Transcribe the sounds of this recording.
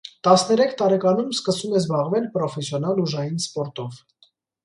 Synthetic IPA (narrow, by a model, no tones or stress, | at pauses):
t̪ɑsnɛɾɛkʰt̪ɑɾɛkɑnumskəsumɛzbɑʁvɛlpɾɔfɛsjɔnɑluʒɑjinspɔɾt̪ɔv